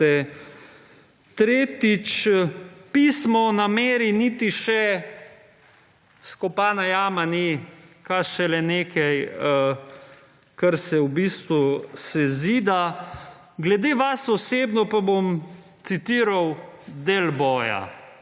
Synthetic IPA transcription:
ɛ | t̪ɾeːt̪it͡ʃ | piːsmɔnameːɾinit̪iʃɛ | skɔpaːnajaːmanikaʃɛlɛneːkʰɛj | kɐɾsɛwbiːst̪ʋusɛziːd̪a | ɡlɛd̪eʋasɔseːbnɔpabomt̪sit̪iːɾawd̪eːlbɔːja̰

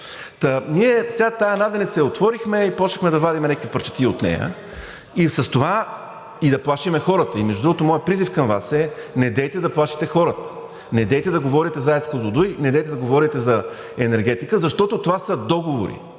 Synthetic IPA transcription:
t̪əniɛfsʲɛɡat̪ajɐnad̪ɛnit̪səɛot̪vɔɾixmɛipɔʃəxmɛd̪ɐvad̪imɛnɛkəkvipəɾt͡ʃə̥t̪iot̪nɛ̰jə̰ | isəst̪ova | id̪ɐplˠaʃimɛxɔɾət̪əimɛʒd̪ud̪ɾuɡot̪omɔjɛpɾizifkɐmva̰sɛnɛd̪ɛjt̪ɛd̪ɐplˠaʃi̥t̪ɛxɔɾət̪ə̥ | nɛd̪ɛjt̪ɛd̪ɐɡovɔɾit̪ɛzaɛt̪skozod̪ujnɛd̪ɛjt̪ɛd̪ɐɡovɔɾit̪ɛzɐ | ɛnɛɾɡɛt̪ikəzɐʃt̪ɔt̪ot̪ovasəd̪ɔɡovo̰ɾḭ

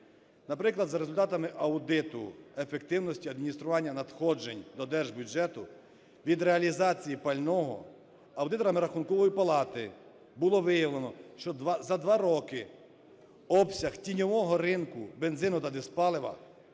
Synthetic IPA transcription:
nɐpɾɪklˠɐd̪zɐɾezʊlʲt̪ɑt̪ɐmɪʔɐwd̪ɪt̪ʊ̰efek̚t̪ɪwnɔsʲtʲiɐd̪̚mʲinʲist̪ɾʊʋɑnʲːɐnɐd̪xɔd͡ʒenʲd̪ɔd̪ɛrʒbʲjud͡ʒɛt̪ʊ | ʋʲid̪ɾeɐlʲizɑt͡sʲijipɐlʲnɔɦɔ̰ | ɐwd̪ɪt̪ɔɾɐmɪɾɐxunkɔʋɔjipɐlˠɑt̪ɪ | bʊlˠɔʋɪjɐlˠenɔʃt͡ʃɔzɐd̪ʋɑɾɔkɪ | ɔpsʲɐxtʲinʲɔʋɔɦɔɾɪnkʊbenzɪnʊt̪ɐd̪espɑlˠeʋɐ̰

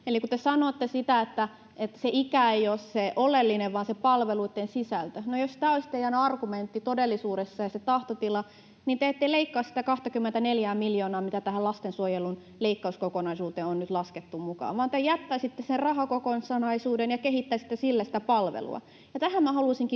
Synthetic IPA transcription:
elikut̪esɑnoːt̪ːesit̪æet̪ːæ | et̪ːæ̥seʔikæeijosseʔolelːineʋʋɑːnsepɑlʋeluit̪ːensisælt̪ønojosi̥t̪æːolist̪eijænɑrɡument̪ːit̪odelːisuːdesːɑjɑset̪ɑht̪ot̪ilɑ | niːnt̪eet̪ːeleikːɑːssit̪ækɑht̪ɑkymːent̪æneljæːmmiljoːnɑːmit̪æt̪æhælɑst̪ensuojelun | leikːɑuskokonɑisuːt̪eːonnyt̪lɑsket̪ːummukɑ̰ːʋʋɑːnt̪ejæt̪ːæsit̪ːesserrɑɦɑkokonsɑnɑisuːdenjɑkeɦit̪ːæsit̪ːesilːæsi̥t̪æpɑlʋḛlṵɑ̰ | jɑt̪æhæmmæhɑluisiŋki

